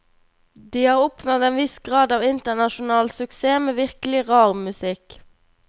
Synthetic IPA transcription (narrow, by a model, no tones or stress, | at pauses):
d̪iːhɑːʁɔpnɔd̪eːnʋɪsɡʁɑːd̪ɑːʋɪnt̪ənɑʃʊnɑːlsʉkseːmeːʋɪʁkl̩ɪʁɑːʁmʉsɪk